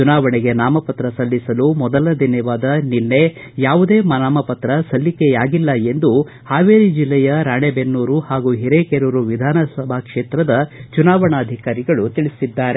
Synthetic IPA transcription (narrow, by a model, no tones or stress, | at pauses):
t͡ʃunaːʋɐɳɛɡenaːmɐpɐt̪ɾɐsɐlːisɐlumɔd̪ɐlɐd̪injɐʋaːd̪ɐnilːe | jaːʋud̪e̞ːmɐnaːmɐpɐt̪ɾɐsɐlːikejaːɡilːɐe̞nd̪u | haːʋeːɾid͡ʒilːɛjɐɾaːɳebenːuːɾuhaːɡuɦiɾekeɾuɾuʋid̪ʱaːnɐsɐbʱakʂeːt̪ɾɐd̪ɐt͡ʃunaːʋɐɳɐːd̪ʱikaːɾiɡɐɭut̪iɭisid̪ːaːɾe